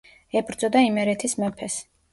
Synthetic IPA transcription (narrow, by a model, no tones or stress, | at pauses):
ɛbɾd̪zʼɔd̪aimɛɾɛt̪ʰismɛpʰɛs